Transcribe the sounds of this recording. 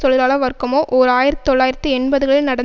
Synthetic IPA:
sɔɭɪlaːɭɐʋɐɾkːɯmoːʔoɾaːjɪɾɐt̪ːɯ̥t̪ɔɭːaːjɪɾɐt̪ːɯɛɳbɐðɯɣɐɭɪlnɐɽɐ

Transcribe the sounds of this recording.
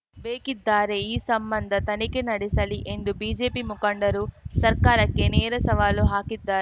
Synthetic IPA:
ʋeːkid̪ːaːɾeːiːsɐmbɐnd̪ʱɐt̪ɐnikinɐɽisɐliʔend̪ubiːd͡ʒe̞ːpiːmukɐɳɖɐɾusɐɾkaːɾɐkːeneːɾɐsɐʋaːloːɦaːkid̪ːaː

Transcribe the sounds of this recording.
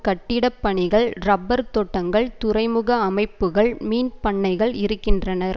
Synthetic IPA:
kɐʈːɪɽɐpːɐɳɪɣɐɭɾɐbːɐɾt̪ɔʈːɐŋɡɐɭt̪ʊɾɐɪmɯɣɐːmɐɪpːɯɣɐɭmiːnpɐɳːɐɪɣɐɭɪɾɯkːɪndrɐnɐɾ

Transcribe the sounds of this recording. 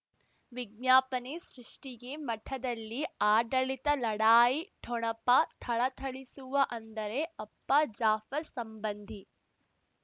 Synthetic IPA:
ʋiɡ̚ɲaːpɐnesɾiʂʈiɡemɐʈʰɐd̪ɐlːiaːɖɐɭit̪ɐlɐɽaːjiʈʰɔɳɐpat̪ʰɐɭɐt̪ʰɐɭisuʋɐʔɐnd̪ɐɾeɐpːɐd͡ʒaːfɐɾsɐmbɐnd̪ʱi

